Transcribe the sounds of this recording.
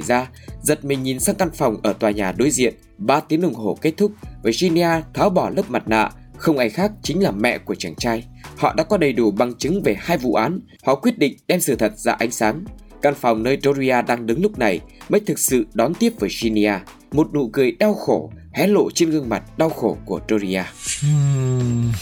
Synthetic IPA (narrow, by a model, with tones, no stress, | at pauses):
jzaː˧ | zə˨˩t̚mï˨˩ŋ̟ɲi˨˩nsaː˧ŋka˧nfa˨˩wŋ͡mʔəː˧˩t̪waː˨˩ɲaː˨˩ɗo˧jzḭ˧˨ən | ɓaː˧t̪i˨˦ənʔʊ˧˩ŋ͡mɦo˧˩ke˦˥t̚t̪ʰʊ˦˥k͡p̚vəː˨˩zi˧ni˧aː˧t̪ʰaː˨˦wɓɔ˧˩ləː˦˥p̚ma˨˩t̚na̰ː˧˨xə˧wŋ͡mʔa˧˩jxaː˦˥k̚t͡ɕï˨˦ŋ̟laː˨˩mɛ̰˧˨ku˧˩ət͡ɕa˧˩ŋt͡ɕaː˧j | hɔ̰˧˨ɗa̰ː˧˥kɔ˨˦ɗə˨˩jɗu˧˩ɓa˨˩ŋt͡ɕɨ˨˦ŋve˨˩haː˧jvṵ˧˨ʔaː˨˦n | hɔ̰˧˨kwi˦˥ət̚ɗḭ̈˧˨ŋ̟ɗɛ˧msɨ̰˧˩t̪ʰə˨˩t̚za̰ː˧ʔa˧jŋ̟saː˨˦n | kaː˧˩nfwŋ͡mnəː˧jto˧zi˧aː˧ɗaː˧ŋɗɨ˨˦ŋlʊ˦˥k͡p̚na˨˩jməː˨˦jt̪ʰɨ˨˩k̚sɨ̰˧˨ɗɔ˨˦nt̪i˦˥əp̚vəː˨˩jzi˧ni˧aː˧ | mo˨˩t̚nṵ˧˨kɨ˨˩əjɗa˧wxo˧˩hɛ˨˦lo̰˧˨t͡ɕe˧nɣɨ˧əŋma˨˩t̚ɗa˧wxo˧˩ku˧˩əto˧zi˧ʔaː˧˨